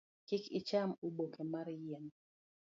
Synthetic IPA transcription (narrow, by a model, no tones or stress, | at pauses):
kɪkɪt͡ʃamuɓokʰɛmaɾjɛn